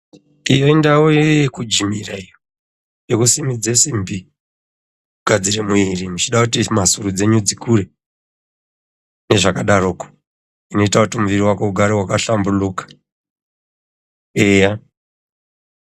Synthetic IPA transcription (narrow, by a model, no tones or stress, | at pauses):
ijoindawokud͡ʒimiraijo | jekusimid͡zesimbi | ɡʱad͡ziremuirimut͡ʃiɗakutimasurud͡ze̞ɲud͡zikure̞ | ne̞ʐakaɗaroːko̥ | ino̞itakutimuʋiriwakouɡʱaɾewakaɬambulukḁ | eja